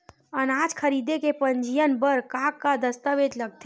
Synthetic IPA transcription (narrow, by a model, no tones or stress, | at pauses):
ənad͡ʒkʰəɾid̪ekepənd͡ʒijənbəɾkãkːad̪əst̪əʋed͡ʒləɡ̚t̪ʰe